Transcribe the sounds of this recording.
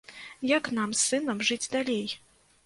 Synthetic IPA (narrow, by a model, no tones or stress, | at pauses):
jɐknamsɨnɐmʐɨd͡zʲd̪alʲej